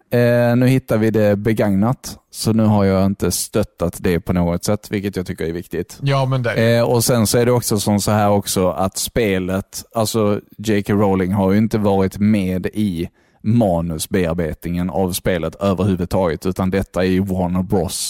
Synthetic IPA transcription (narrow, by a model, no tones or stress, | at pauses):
nʉ̟ːhɪt̪ːavɪd̪ɛbɛɡaŋnat̪sɔnʉ̟ːɦaɾjɑːɪnt̪əst̪œt̪ːat̪d̪ɛpʰɔnoːɡɔt̪sɛt̪ːvɪlkət̪jɑt̪ʰʏkːəɾæɾvɪkt̪ɪt̪jɛnɔsɛnsɔæɖɛɔksɔsɔmsɔhæːɾɔksɔat̪speːlət̪alsɔd͡ʒɛkaɾoʊlɪŋɦaɾjɵɪnt̪əvɑːɾɪt̪meːd̪ɪ | mɑːnɵsbeːaɾbḛːt̪nɪŋəna̰vspeːlət̪øːvəɾhʉ̟ːvɵd̪̚t̪ʰɑːɡət̪ʰʉ̟ːt̪and̪ɛt̪ʰːaɪwɔnbɾɔ̰s